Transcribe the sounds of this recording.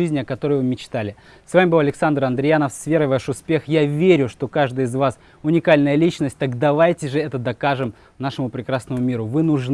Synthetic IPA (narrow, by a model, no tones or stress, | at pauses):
ɨzʲnʲɪɐkɐt̪o̞ɾəjvɨmʲɪt͡ɕt̪alʲɪ | svamʲɪbɨlˠɐlʲɪksand̪ɾɐnd̪ɾʲɪjanəfsvʲe̞ɾəɪvaʂʊspʲe̞xjavʲeɾʲʊʂt̪o̞kaʐd̪ɨjɪzvas | ʊnʲɪkalʲnəjəlʲit͡ɕnəsʲt̚ʲt̪akd̪ɐvajtʲɪʐɨɛt̪əd̪ɐkaʐɨm | naʂɨmʊpɾʲɪkɾasnəmʊmʲiɾʊvɨnʊʐn